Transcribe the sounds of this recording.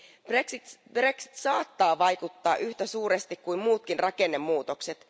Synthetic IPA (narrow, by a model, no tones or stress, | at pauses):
b̥reksib̥re̞ksi̥t̪sɑːt̪ːɑːʋɑjkut̪ːɑːʔyht̪æsuːɾest̪ikkuimmuːt̪̚kinrʔɑke̞nːe̞mːuːt̪o̞kset̪